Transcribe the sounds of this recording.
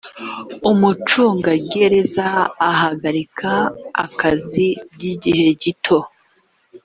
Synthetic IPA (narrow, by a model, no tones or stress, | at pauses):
umut͡ʃuːŋɡaɡeɾe̞zaːɦaɡaɾikʰaa̰kazibɟiɟihe̞ɟitʰo̞